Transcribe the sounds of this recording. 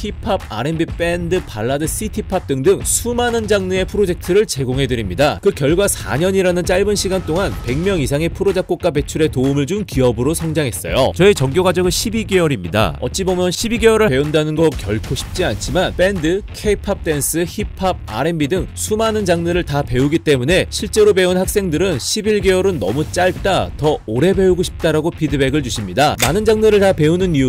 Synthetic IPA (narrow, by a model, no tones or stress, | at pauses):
hipʰab̚a̰ɾe̞mbip͈e̞ndɯpaɭːadɯsʰitʰipʰap̚t͈ɯŋdɯŋsʰumanɯnd͡ʑaŋnɯe̞pʰɯɾod͡ʑe̞k̚tʰɯɾɯɭt͡ɕe̞ɡoŋɦe̞dɯɾimɲidakɯkjʌɭɡwasʰa̰ɲʌɲiɾanɯnt͡ɕ͈aɭbɯnɕʰiɡant͈oŋanpe̞ŋmjʌŋisʰaŋe̞pʰɯɾod͡ʑak̚k͈ok͈ape̞t͡ɕʰuɾe̞toɯmɯɭd͡ʑumkiʌbɯɾosʰʌŋd͡ʑaŋɦe̞s͈ʌ̰jo̰t͡ɕʌit͡ɕʌŋɡjoɡad͡ʑʌɡɯnɕʰibiɡe̞ʌɾimɲḭda̰ʌ̰t͡ɕ͈ibomjʌnɕʰibiɡe̞ʌɾɯɭpe̞undanɯnɡʌkjʌɭkʰoɕʰi̥p̚t͡ɕ͈iant͡ɕʰimanp͈e̞ndɯkʰepʰap̚t͈e̞ns͈ʰɯhipʰaa̰ɾe̞mbidɯŋsʰumanɯnd͡ʑaŋnɯɾɯɭtape̞uɡit͈e̞mune̞ɕʰiɭt͡ɕ͈e̞ɾobe̞unhak̚s͈e̞ŋdɯɾɯnɕʰibiɭɡe̞ʌɾɯnːʌ̰mut͡ɕ͈aɭt͈atʌoɾe̞be̞uɡoɕʰi̥p̚t͈aɾaɡopʰidɯbe̞ɡɯɭt͡ɕuɕʰimɲidamanɯnd͡ʑaŋnɯɾɯɭtape̞unɯniu